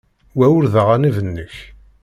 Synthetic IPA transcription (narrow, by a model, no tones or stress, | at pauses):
wæwʊɾðəʁanivənːəç